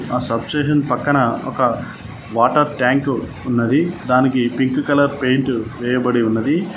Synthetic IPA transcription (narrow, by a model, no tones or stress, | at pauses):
aːsɐbseːʃ̬ɐnpɐkːɐnɐɔ̰kɐ | ʋaːʈɐɾʈaːŋk | unːɐd̪id̪aːnikipiŋkkɐlɐɾpe̞jɳʈuʋɛːjɐbɐɽiunːɐd̪i